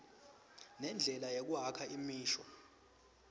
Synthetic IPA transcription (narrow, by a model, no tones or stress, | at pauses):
nɛnd͡ɮʱɛlajek̬uɦakʰaimiːʃɔ